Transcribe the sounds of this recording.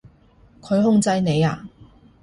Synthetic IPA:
kʰɵ˨˧ɥhʊ˥˧ŋt͡sɐ˧jne˨˧jaː˧˨

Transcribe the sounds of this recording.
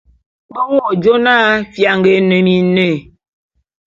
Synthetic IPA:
ɓə˦wɔ˦˨d͡ʒo˦na˦fja˨ŋɡe˨˦ne˨mi˨˦ne˦˨

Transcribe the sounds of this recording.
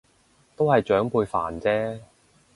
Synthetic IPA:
t̪o˥whɐ˨jt͡ʃœː˨˥ŋpuː˧jfa̰ː˨˩nt͡sɛː˥

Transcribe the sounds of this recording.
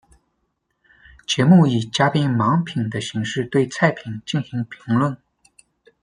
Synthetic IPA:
t͡ɕjɛ˧˥mu˥˩i˨˩t͡ɕja˥pi˥nmɑ˧˥ŋpʰi˨˩ŋd̪ə˦ɕi˧˥ŋʂɻ̩˥˧t̪we˥˧ɪt͡sʰa˥˩ɪpʰi˨˩ŋt͡ɕi˥˩nɕi˧˥ŋpʰi˧˥ŋlwə˥˩n

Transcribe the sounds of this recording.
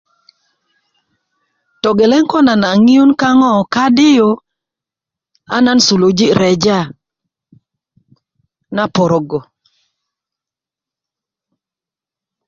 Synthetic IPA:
tɔ˨ɡe˨lɛ˦ŋkɔ˦na˨na˨ŋi˦u˦nka˦ŋɔ˦˨ka˦dɪ˦jo˨ | a̰˦na˦nsu˨lo˨d͡ʒi˦ɾɛ˨d͡ʒa˦˨ | na˦pɔ˨ɾɔ˨ɡɔ˨

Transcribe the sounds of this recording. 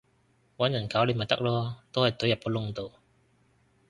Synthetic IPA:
wɐ˨˥njɐ˨˩nkaː˨˥wle˨˧˥mɐ˨˩jt̪ɐ˥k̚lɔː˥t̪o˥whɐ˨jt̪ɵ˨˥jɐ˨˩p̚ko˨˥lʊ˥˧ŋt̪o˨w

